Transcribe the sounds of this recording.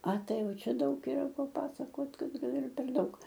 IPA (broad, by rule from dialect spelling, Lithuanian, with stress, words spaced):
ɐ ˈtɐɪ ˈjɛʊ ˈt͡ʃʲɛ ˈdɐʊk iːˈrɐ pɐˈpɑːsɐkoːt ˈɡɐlˠ ɪr pʲɛr ˈdɐʊk